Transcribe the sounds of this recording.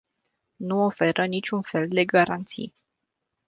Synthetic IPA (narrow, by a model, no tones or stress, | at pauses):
nuofe̞ɾʔənit͡ʃʲunfe̞ld̪e̞ɡaɾant̪sḭj